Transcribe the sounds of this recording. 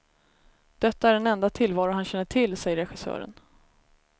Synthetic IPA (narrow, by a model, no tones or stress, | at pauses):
d̪̥ɛt̪ːaæɖɛnɛnd̪at̪ʰɪlːvɑːɾʊɦanɕɛnːəʈʰɪlːsɛjəɾɛɧɪsœ̰ːɾə̰n